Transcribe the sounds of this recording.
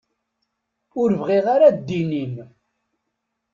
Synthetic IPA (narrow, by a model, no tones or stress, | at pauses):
ʊɾvʁiʁaɾad̪ːinin